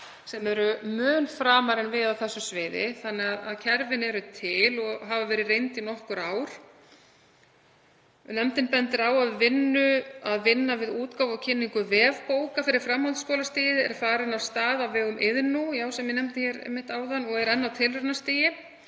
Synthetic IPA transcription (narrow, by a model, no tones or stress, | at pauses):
sɛmɛɾʏmœːnfɾaːmaɾɛnvɪðawθɛsːʏsvɪːðɪ̰θanːɛaða̰ðcʰɛɾvɪnɛɾʏt̪ʰɪlɔɣɦavavɛːɾɪrejnt̪inɔhkʏɾaːwɾ̥ | nɛmt̪ɪnpɛnt̪ɪɾaːwaðvɪnːʏaðvɪnːavɪðuːt̪kawvawcʰɪnːiŋkʏvɛːvpoːwkafɪɾɪɾ̥fɾamhawlt̪skɔːlast̪iːjɪɛ̰ɾ̥faːɾɪnawst̪aːðawvɛːɣʏmʔɪðnujaːwsɛmjɪnɛmt̪ɪçɛɾɛ̰jmɪht̪aːwðanɔɣɛɾɛnːawt̪ʰɪlrɛnast̪iːjɪ